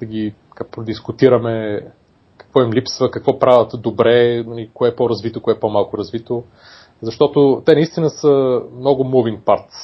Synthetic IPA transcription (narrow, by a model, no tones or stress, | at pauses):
d̪ɐɡʲit̪ɐ̥kapɾod̪iskʊt̪iɾɐmɛ | kɐ̥kvɔimlipsvɐkɐkvɔpɾavʲɐt̪d̪obɾɛnɐlikoɛpɔɾɐzvit̪okoɔɛpɔmalˠkʊɾɐzvit̪o | zɐʃt̪ɔt̪ʊt̪ɛnɐist̪inəsəmnɔɡʊmuviŋk̚paɾt̪